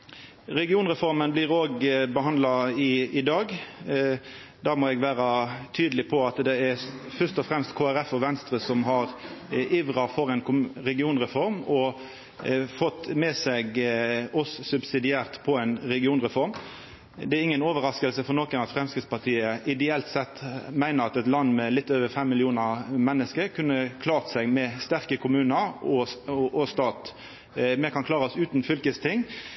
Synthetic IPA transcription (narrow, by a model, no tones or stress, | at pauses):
ɾɛɡɪuːnʁɛfɔɾmənbliːɾoːɡbəhɑnd̪lɑɪɪd̪ɑːɡ | d̪æːmɔɛɡʋæːɾɑt̪ʰyːd̪əlɪpʰɔɑt̪d̪ɛæfœt̪ɔfʁɛmst̪kʰoːæɾɛfɔʋɛnst̪ɾəsɔmɦɑʁiʋʁɑfɔɾɛnkʊɾɛɡɪuːnʁɛfɔɾmɔ | fɔt̪ːmɛsɛɡɔssʉbsɪd̪ɪæːʁt̪pʰɔæɛɪnɾɛɡɪuːnʁɛfɔɾm | d̪ɛæɾɪŋːənoːʋəɾɑskəlsəfɔʁnɔkənɑt̪fɾʁɛmskɾɪt̪spɑt̪ʰiːəʔɪd̪ɛɛlt̪sɛt̪ːmæɪnəʁɑt̪ɛt̪lɑnd̪mɛlɪt̪ːøːʋəɾfɛmːɪlɪuːnəɾmɛnːəskəɾkʰʉnːəkʰlɑːʁt̪sɛɡmɛst̪æʁkəkʰʊmʉːnəɾɔʔɔst̪ɑːt̪ | mɛkʰɑnkʰlɑːʁɔsʉːt̪n̩fʏlkəst̪ʰɪŋː